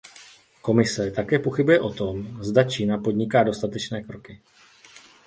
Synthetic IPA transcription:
ko̞mɪsɛt̪akɛːpo̞xɪbujɛʔo̞t̪o̞mzdat͡ʃiːnapo̞dɲɪkaːdo̞st̪at̪ɛt͡ʃnɛːkɾo̞kɪ

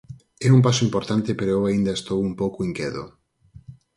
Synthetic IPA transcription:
ɛump̬asʊimpoɾt̪ant̪epeɾoewaind̪ɐest̪owumpowkʊiŋkjɛt̪o̰

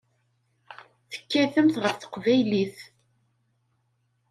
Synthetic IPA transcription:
θə̥kːæθəmθʁəɾθə̥qvæjliθ

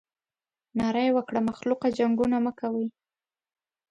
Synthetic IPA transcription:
nɑɾajwəkɽamaxluqad͡ʒaŋɡunaməkawəj

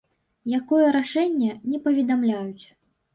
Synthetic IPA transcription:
jakɔjɛɾaʂɛnʲːɛnʲɛpɐvʲɛd̪amlʲajut͡sʲ

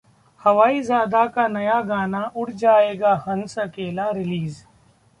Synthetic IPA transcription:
hɐʋaːiːzaːd̪aːkaːnɐjaːɡaːnaːʔʊɽd͡ʒaːeːɡaːhɐnsɐkeːlaːɾɪliːz

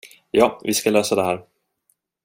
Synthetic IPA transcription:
jɑːvɪskaløːsad̪ɛhæːɾ

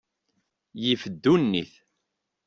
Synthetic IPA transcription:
jifəd̪ːunːḭθ

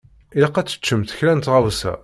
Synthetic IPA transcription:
iləqːæt͡sːə̥t͡ʃːəmt̪ə̥çlænt̪ʁawsæ̰

